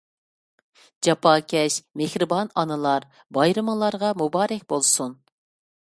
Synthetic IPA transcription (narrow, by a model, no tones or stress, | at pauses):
d͡ʒɑpʰɑːkʲʰɛʃmehɾɨbɑnɑnɨlˠɑɾ | bɑjɾɨmlˠɑɾʁɑmubɑːɾɛkʲbolˠsun